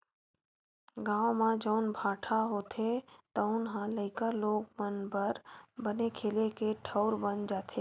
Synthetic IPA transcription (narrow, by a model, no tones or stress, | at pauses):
ɡãːʋõmãd͡ʒəʊnbʱaːʈʰaɦoːt̪ʰet̪əʊnɦãləɪkaloːɡmənbəɾbənekʰeːlekeʈʰəʊɾbənd͡ʒaːt̪ʰeː